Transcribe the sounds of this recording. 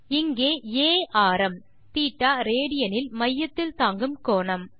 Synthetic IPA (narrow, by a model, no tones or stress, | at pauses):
ɪŋɡeːeːʔaːɾɐm | t̪iːʈːaːɾeːɽɪjɐnɪlmɐjːɐt̪ːɪlt̪aːŋɡɯmkoːɳɐm